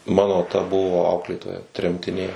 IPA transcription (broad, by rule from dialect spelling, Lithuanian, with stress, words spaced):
ˈmɑːnoː tɐ ˈbʊʋoː ˈɐʊklʲeːtoːjɛ tʲrʲɛmʲtʲɪˈnʲeː